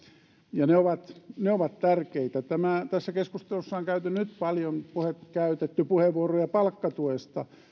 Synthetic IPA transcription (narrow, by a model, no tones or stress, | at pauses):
jɑneoʋɑt̪neoʋɑt̪t̪ærkeit̪æt̪æmæˑt̪æsːækeskust̪elusːɑːŋkæyt̪ynyt̪pɑljonpuhet̪kæyt̪et̪ːypuheʋʋuorojɑpɑlkːɑt̪uest̪ɑ